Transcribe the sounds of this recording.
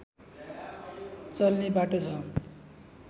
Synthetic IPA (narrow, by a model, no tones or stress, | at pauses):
t͡sʌlnebaʈot͡sʰʌ